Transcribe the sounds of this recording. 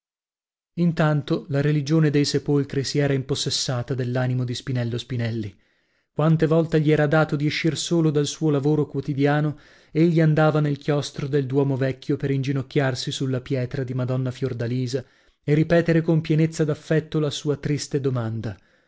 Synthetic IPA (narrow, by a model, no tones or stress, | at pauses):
int̪ant̪olaɾelid͡ʒoːned̪ejsepolkɾisiɛːɾaimposːesːaːt̪ad̪elːaːnimod̪ispinɛlːospinɛlːi | kwant̪evɔlt̪eʎiɛːɾad̪aːt̪od̪ieʃːirsoːlod̪alsuːolavoːɾokwot̪id̪jaːno | eʎːiand̪aːvanelkjɔst̪ɾod̪eld̪wɔːmovɛkʰʲːjopeɾind͡ʒinokʲːarsisulːapjɛːt̪ɾad̪imad̪ɔnːafjord̪aliːza | eripɛːt̪eɾekompjɛnet̪sːad̪afːɛt̪ːolasuːat̪ɾist̪ed̪omand̪a